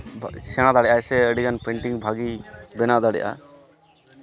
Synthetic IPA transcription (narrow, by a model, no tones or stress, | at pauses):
sɛɽ̃ãd̪aɽɛjʔajsɛəɖiɡanpɛɳʈiŋbʱaɡibɛnad̪aɽɛ̰jʔa̰